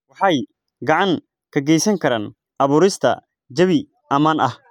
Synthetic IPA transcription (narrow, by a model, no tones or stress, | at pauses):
wɑħɑj | ɡɑʕɑŋ | kʰɐɡɛjsɐŋkʰɐɾaːn | ʔɐβuːɾɪst̪ʰɐ̰ | d͡ʒɐβɪ | ʔɐmaːnʔɐh